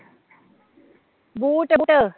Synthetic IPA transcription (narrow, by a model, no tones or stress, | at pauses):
buːʈbuʈə